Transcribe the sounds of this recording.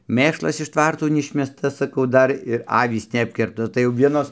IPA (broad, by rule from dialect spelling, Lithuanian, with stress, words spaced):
ˈmʲeːʃlˠɐs ɪʃ ˈtʋɐrtoː nʲɛˈɪʃʲmʲɛstɐ sɐˈkɐʊ ˈdɐr ɪr ˈɑːʋʲiːs nʲɛˈɑːpʲkʲɪrptɐ tɐɪ jɛʊ ˈʋʲiɛnoːs